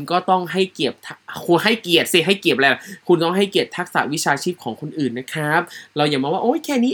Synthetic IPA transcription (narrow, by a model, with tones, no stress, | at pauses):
nkɔː˥˩t̪ɔ˥˩ŋɦa˥˩jki˨˩əp̚t̪ʰkʰu˧ha˥˩jki˨˩ət̪̚si˧˩ɦa˥˩jki˨˩əp̚lɛː˧˩˨kʰu˧nt̪ɔ˥˩ŋɦa˥˩jki˨˩ət̚t̪ʰːa˦˥k̚sa̰˩˦wi˦˥t͡ɕʰaː˧t͡ɕʰiː˥˩p̚kʰɔː˩˦ŋkʰo˧nʔɯː˨˩nːa˦˥kʰɾa˦˥p̚ɾa˧wjaː˨˩ŋmaː˧waː˥˩ʔoː˦˥jkʰɛː˥˩niː˦˥